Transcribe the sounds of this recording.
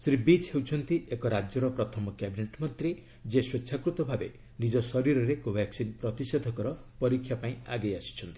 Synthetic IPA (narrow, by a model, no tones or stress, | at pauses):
sɾibit͡ʃhewt͡ʃʰɔnt̪iekɔɾad͡ʒjɔɾɔpɾɔt̪ʰɔmɔkjabineʈmɔt̪ɾe | d͡ʒeswet͡ʃːʃʰakɾut̪ɔbʱabe | nid͡ʒɔsɔɾiɾɔɾekobʱɛksinpɾɔt̪ised̪ʱɔkɔɾɔpɔɾikʰːjapaĩaɡejasi̥t͡ʃʰɔnt̪i̥